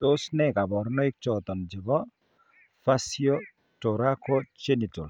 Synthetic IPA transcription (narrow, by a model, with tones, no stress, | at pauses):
o˦snɛ˨ka˨bɔ˨ɾnɔ˦i˦k̚t͡ʃɔt̪ɔ˨nd͡ʒɪ˨βɔ˦ | fa˦sjɔ | tɔ˨ɾa˦kɔ˦t͡ʃe˦ni˨tɔ˨l